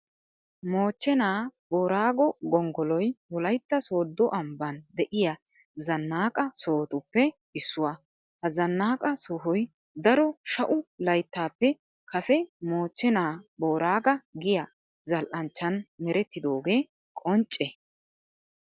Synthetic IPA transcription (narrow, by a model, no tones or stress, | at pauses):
moːt͡ʃːɛnaːbo̞ːɾaːɡɔɡɔŋɡɔlɔjwɔlɐjt̪ːɐso̞ːd̪ːɔʔɐmbɐnd̪ɛʔɪjɐ | zɐnːaːkʼɐsoːt̪ʊpːɛ | ɪsːʊwa | hɐzɐnːaːkʼɐsʊɦɔj | d̪ɐɾɔʃɐʔʊlɐjt̪ːaːpːɛ | kʰɐsɛmo̞ːt͡ʃːɛnaːbo̞ːɾaːɡɐɡɪjɐ | zɐlʔɐnt͡ʃːɐnmɛɾɛt̪ːɪd̪o̞ːɡe̞ː | kʼɔnt͡ʃʼːɛ